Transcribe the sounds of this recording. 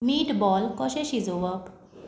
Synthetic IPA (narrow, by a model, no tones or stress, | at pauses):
miːʈbɔlkɔʃeʃid͡zoʋək